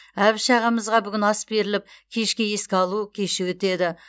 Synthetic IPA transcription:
æbɪʃɑʁɑməzʁɑbʏɡʲɪnɑsbe̞ɾɪlɪp̚kʲʰe̞ʃkʲe̞je̞skʲɪɑlˠukʲʰe̞ʃɪwɵt̪e̞d̪ɪ

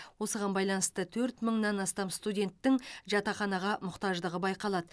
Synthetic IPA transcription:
wo̞səʁɑnbɑjlˠɑnəst̪ət̪ʰɵɾt̪məɴnɑnɑst̪ɑmst̪udʲe̞nt̪ːɪŋʒɑt̪ɑχɑnɑʁɑmʊqt̪ɑʒd̪əʁəbɑjqɑlˠɑd̪ə

